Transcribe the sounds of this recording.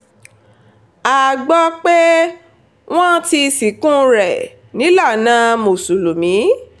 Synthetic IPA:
a˨ɡ͡bɔ˧k͡pe˦ | w̃ɔ̃˦ti˧si˨˦kũ˦ɾɛ˨ | nĩ˨˦la˦˨nãː˨˦mo˨su˨lu˨mĩ˨˦

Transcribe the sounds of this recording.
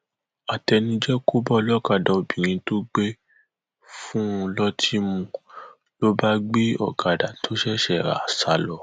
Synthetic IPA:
a˨tɛ˧nĩ˧d͡ʒɛ˦ko˦bɔ˦lɔ˦ka˨dã˨o˨bĩ˨ɾ̃ĩ˧to˦ɡ͡be˦ | fũ˦˧lɔ˦tʰi˦mũ˦ | lo˦ba˦ɡ͡be˦ɔ̰˦˨ka˨da˨tʰo˨˦ʃɛ˦ʃɛ˦˨ɾa̰˨sa˨˦lɔ˧˦

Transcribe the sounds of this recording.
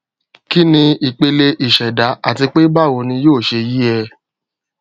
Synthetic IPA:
ki˦nĩ˧i˨k͡pe˧le˧ʔi˨ʃɛ˨da˨˦a̰˦˨ti˧k͡pe˦ba˦˨wo˧nĩ˧joː˦˨ʃe˧ji˦ɛ˧

